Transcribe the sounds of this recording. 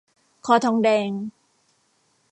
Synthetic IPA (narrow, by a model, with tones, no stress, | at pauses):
kʰɔː˧t̪ʰɔː˧ŋdɛː˧ŋ